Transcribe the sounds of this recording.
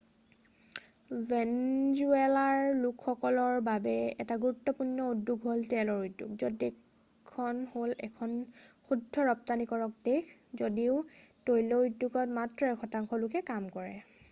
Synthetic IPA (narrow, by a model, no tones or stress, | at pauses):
vʱɛnzuɛlaɹlukʰxɔkɔlɔɹbabɛɛ̰taɡuɹutːɔpunːɔudːuɡɦoltɛlɔɹujdːukzodɛ | kʰːɔnholɛ̰kʰɔnxudʱːɔɹɔp̚tanikɔɹɔk̚dexzodiʊtojlɔudːukɔtmatɹɔɛkʰɔtaŋkʰɔlukɛkamkɔɹɛ